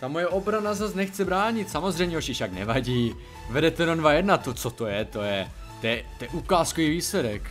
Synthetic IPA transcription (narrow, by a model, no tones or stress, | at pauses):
t̪amojɛʔo̞bɾanazasnɛxt͡sɪbɾaːɲɪt̪samozr̝ɛjmɲɛoʃɪfʃaknɛ̰vaɟiː | vɛdɛt̪ɛɾodvajɛdnat̪ot͡sot̪o̞jɛt̪ojɛ | t̪ojɛt̪ojɛʔukaːskoviːviːslɛdɛk